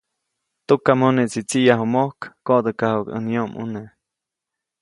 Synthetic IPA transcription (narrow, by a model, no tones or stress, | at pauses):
t̪ukamoneʔt͡sit͡siʔjaɦumohkːoʔd̪əkahukə̰njoʔmʔṵneʔ